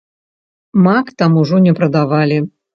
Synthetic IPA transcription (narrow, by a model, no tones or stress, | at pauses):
makt̪amuʐɔnʲɛpɾɐd̪avalʲi